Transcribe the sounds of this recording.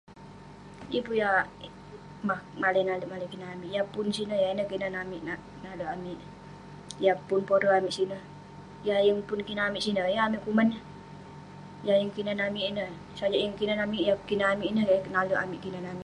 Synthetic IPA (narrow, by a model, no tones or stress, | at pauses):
jəpuja | mahmaləjnaləʔmalakinaamiʔjapʊnsinəjainəkinanamiʔna | naləʔamiʔ | japʊnpoɾoamiʔsinə | jajəŋpʊnkinaamiʔsinəjaamiʔkumanə | jajəŋkinanamiʔinə | sad͡ʒaʔjəŋkinanamiʔjakinəamiʔnəanaluʔa̰miʔkinanamɪʔ